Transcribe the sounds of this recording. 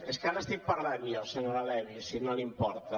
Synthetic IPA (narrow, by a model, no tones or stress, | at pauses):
eskaɾest̪ik̚paɾlanioseɲoɾalɛβisinolimpɔɾt̪a